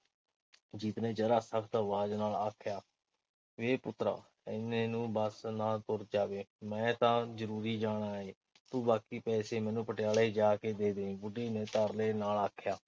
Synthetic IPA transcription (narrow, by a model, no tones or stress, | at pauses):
d͡ʒit̪nẽːd͡ʒəɾaːsəkʰt̪əʋaːznaːlaːkʰjaː | ʋeːpʊt̪ɾa̰ː | ɪneːnũːbəsnãːt̪ʊɾd͡ʒaːʋeːmɛ̃ːt̪ãːzəɾuːɾiːd͡ʒaːɽ̃aːeː | t̪uːbaːkiːpɛːseːmɛ̃ːnũːpəʈɪjaːleːd͡ʒaːkeːd̪eːd̪eːĩːbʊɖeːnẽːt̪əɾleːnaːlaːkʰjaː